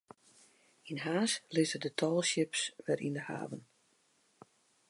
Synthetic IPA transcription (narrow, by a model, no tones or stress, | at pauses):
inɦaːslɪzədətʰɔlˠʃɪpsʋɛɾḭndəha̰ːvən